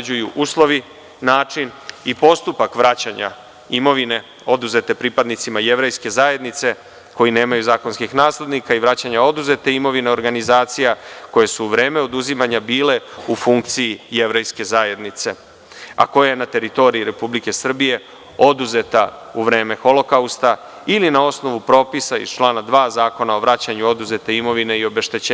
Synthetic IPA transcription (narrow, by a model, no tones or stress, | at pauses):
ujuʔuːslˠo̞ʋi | naːt͡ʃinipo̞st̪upakʋɾat͡ɕaɲa̰ | imo̞ʋine̞ | o̞d̪uze̞t̪e̞pɾipad̪nit̪simaje̞ʋɾe̞jske̞zaːje̞d̪nit̪se̞ | ko̞jine̞ːmajuzaːko̞nskixnaːsle̞d̪nikaiʋɾat͡ɕaɲao̞d̪uze̞t̪eimo̞ʋineo̞ɾɡanizaːt̪sijako̞je̞suːʋɾe̞ːme̞o̞d̪uzimaɲabiːle̞ufuŋk̚t̪sijije̞ʋɾe̞jske̞zaːje̞d̪nit̪se̞ | a̰ko̞jajenat̪e̞ɾit̪o̞ɾiiɾe̞publike̞sr̩bije̞ | o̞d̪uze̞t̪auʋɾe̞ːme̞xo̞lo̞kaust̪a | ilinao̞sno̞ʋupɾo̞ːpisaḭzt͡ʃlˠaːnad̪ʋaːzaːko̞nao̞ʋɾat͡ɕaɲuo̞d̪uze̞t̪e̞imo̞ʋine̞io̞be̞ʃt̪e̞t͡ɕeː